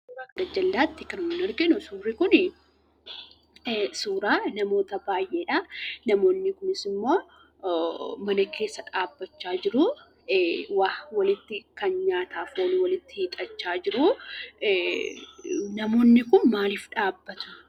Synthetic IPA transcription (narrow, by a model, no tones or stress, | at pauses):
ɾaːkɐnɐd͡ʒɐlːaːt̪ːɪkɐnmnɐɾɡɪnʊsuːrːɪkʊn | suːɾaːnɐmo̞ːt̪ɐbaːjʔeːᶑɐnɐmo̞ːnːɪkʊnɪsɪmːo̞ː | mɐnɐkʰe̞ːsːɐᶑaːbːɐt͡ʃːaːd͡ʒɪɾʊ | waːhwɐlɪt̪ːɪkɐnɲaːt̪aːfoːnɪwɐlɪt̪ːɪhɪt̪ʼɐt͡ʃːaːd͡ʒɪɾʊ | nɐmo̞ːnːɪkʊnmaːliːfᶑaːbːɐt̪ʊ̥